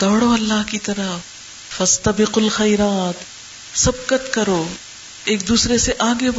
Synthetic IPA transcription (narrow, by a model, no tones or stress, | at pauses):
d̪ɐbɽoɐlːaɦkit̪ɐɾɐɦ | fɐst̪ɐbɪqɐlxɐjɾaːt̪ | sɐb̚kɐt̪kɐɾoː | eːk̚d̪uːsɾeseʔaːɡeb